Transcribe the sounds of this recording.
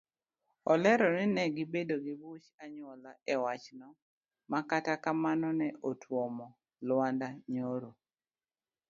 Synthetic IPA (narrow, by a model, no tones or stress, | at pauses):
ɔlɛɾɔnɪnɛɡɪbedoɡibut͡ʃaɲwɔlaɛwat͡ʃnɔ | makatakamanɔnɛʔotʰwɔmɔ | lwandaɲoɾo